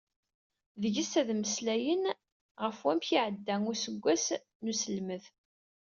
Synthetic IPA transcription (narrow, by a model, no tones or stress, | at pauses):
ðəʝisæðməslæjən | ʁəfwæmçiʕəd̪ːæŋʊɾsəɡʷːæs | nusəlməð